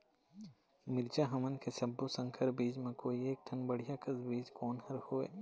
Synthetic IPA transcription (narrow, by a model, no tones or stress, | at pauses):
mɪɾd͡ʒaɦɐmənkesɐbːosə̃ŋkʰəɾbiːd͡ʒmẽkoːieːk̚t̪ʰənbəɽ̤ijakəsbiːd͡ʒkɔːnhɐɾhoːḛː